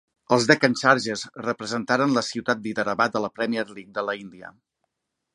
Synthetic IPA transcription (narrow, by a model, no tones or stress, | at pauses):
əlˠzðɛkənʲsaɾʒəsrəpɾəzənt̪aɾənləsiwt̪at̪̚biðəɾəβat̪ələpɾɛmiəɾlik̚d̪ələind̪iə̰